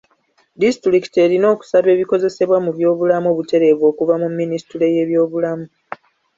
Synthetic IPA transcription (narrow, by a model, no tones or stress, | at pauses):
distɾiki̥te̞ɾino̞ːku̥saβe̞ːβiko̞ze̞se̞βwamuβjo̞ːβulamuoːβute̞ɾe̞ːβwo̞ːkuvamumːinistuɾe̞je̞ːβjo̞ːβulamu